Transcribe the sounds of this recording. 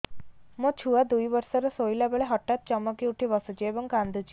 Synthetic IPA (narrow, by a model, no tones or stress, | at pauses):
mət͡ʃʰuʋad̪ujʋəɾsəɾəsojilabeɭeɦɔʈːat̪̚t͡ɕɔməkiuʈʰiʋəsud͡ʑeʋəŋkand̪ʱut͡ɕi̥